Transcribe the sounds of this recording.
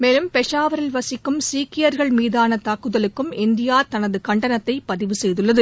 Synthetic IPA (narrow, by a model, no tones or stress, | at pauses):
meːlɯmpɛʂaːʋɐɾɐlʋɐsɪkːɯmsiːkːɪjɐɾɣɐɭmiːðaːnɐt̪aːkːɯðɐlɯkːɯmɪnd̪ɪjaːt̪ɐnɐðɯkɐɳɖɐnɐt̪ːɐɪpːɐðɪʋɯsɛjðɯɭːɐðɯ